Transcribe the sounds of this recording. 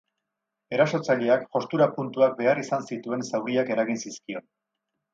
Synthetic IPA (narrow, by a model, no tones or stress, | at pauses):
e̞ɾaso̞t͡saʎe̞akːo̞st̪uɾapunt̪uak̚be̞arisansit̪ue̞nsawɾiake̞ɾaɣinsiskio̞n